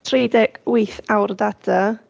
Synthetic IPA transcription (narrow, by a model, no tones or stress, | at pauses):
tʰrejdɛɡ̥wijθawrðad̥a